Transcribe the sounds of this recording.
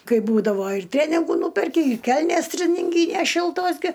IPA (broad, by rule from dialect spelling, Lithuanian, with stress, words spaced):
ˈkɐɪ ˈbuːdɐʋoː ɪr ˈtʲrʲæːnʲɪŋɡʊ ˈnuːpʲɛrʲkʲɪ ɪ ˈkʲɛlʲnʲɛs tʲrʲɛnʲɪŋʲˈɡʲiːnʲɛs ˈʃʲɪlˠtoːs ˈɡʲɪ